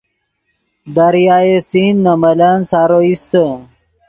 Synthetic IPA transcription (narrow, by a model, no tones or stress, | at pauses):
d̪aɾjaːesinːɐmɐlansaːɾoist̪ə